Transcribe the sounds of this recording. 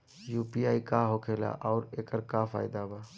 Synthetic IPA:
juːpiaːikaɦoːkʰeːla̰ʔɔːɾeːkəɾkafaːɪd̪aːbaː

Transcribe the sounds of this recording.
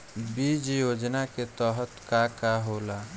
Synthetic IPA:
bid͡ʒjod͡ʒnaket̪ɔɦət̪kakaɦola

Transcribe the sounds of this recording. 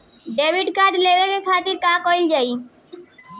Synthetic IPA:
ɖeːʋɪɖkad̪leːʋekekʰaːt̪ɪɾkãkoɪld͡ʒaːi

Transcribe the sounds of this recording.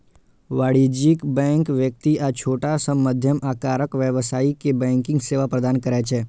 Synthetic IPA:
ʋaɽid͡ʒikbɛ̃ŋkʋjək̚t̪iʔat͡ʃʰoːʈasəmːəd̪ʱjəmakaɾəkʋjəʋsaikebɛ̃ŋkɪ̃ŋɡseʋapɾəd̪ankəɾɛt͡ʃʰe

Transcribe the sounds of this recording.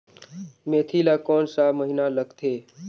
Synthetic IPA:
meːt̪ʰilaːkɔːnsaːməɦinaləɡt̪ʰeː

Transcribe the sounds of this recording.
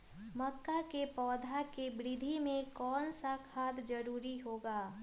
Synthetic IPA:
məkːakepɔːd̪ʱakebɾɪd̪ʱimẽkɔːnsakʰaːt̪d͡ʒəɾuːɾiɦoːɡaː

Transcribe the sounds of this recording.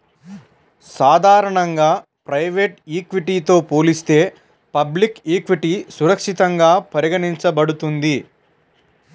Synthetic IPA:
saːd̪ʱaːɾɐɳɐŋɡaː | pɾɐjʋeːʈiːkʋiʈiːt̪o̞ːpo̞ːlist̪e̞ː | pɐblikiːkʋiʈisuɾɐkʂit̪ɐŋɡaːpɐɾiɡɐniɲt͡ʃɐbɐɽut̪und̪i

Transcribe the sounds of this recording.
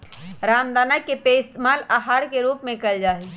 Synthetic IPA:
ɾaːmd̪aːnəkːepeɪst̪maːlaɦaːɾkeɾuːpmẽkəld͡ʒaːɦɛ

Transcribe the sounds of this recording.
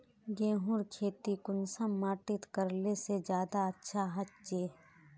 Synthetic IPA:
ɡẽːɦʊɾkʰeːt̪ikʊnsəmːaːʈɪt̪kəɾlesed͡ʒjaːd̪aɐtːʃʰaɦɐt͡ʃt͡ʃeː

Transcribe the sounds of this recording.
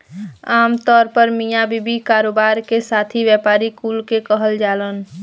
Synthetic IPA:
aːmt̪ɔːɾpəɾmijabibikaːɾoːbaːɾkesaːt̪ʰiʋjɛpaːɾikulkekəɦəld͡ʒaːlən

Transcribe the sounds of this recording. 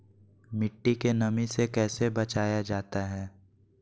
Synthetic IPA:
mɪʈːikenɐmisekɛːsebɐt͡ʃaːjad͡ʒaːt̪aɦɛː

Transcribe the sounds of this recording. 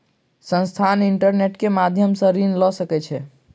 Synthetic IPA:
sə̃nst̪ʰaniɳʈəɾneʈkemad̪ʱjəmsə̃ɾinlɔsəkɛt͡ʃʰɛ

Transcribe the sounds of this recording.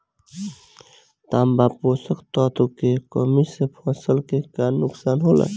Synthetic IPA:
t̪aːmbaːpoːsəkt̪ɔːt̪ʰokekomisepʰɔ̃ːsəlkekaːnʊksaːnɦola̰

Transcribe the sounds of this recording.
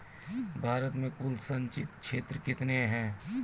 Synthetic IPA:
bʱaːɾət̪mẽkʊlsə̃nt͡ʃɪt̪kʃʰeːt̪ɾəkɪt̪neɦɛ̃ː

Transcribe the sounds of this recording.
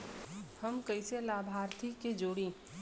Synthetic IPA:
hɐmkɐɪselaːbʱaːɾt̪ʰikːed͡ʒoːɽĩː

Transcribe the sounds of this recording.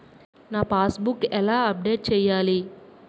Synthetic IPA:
naːpaːsbukɛlaːɐp̚ɖeːʈ̚t͡ʃɛːjaːli

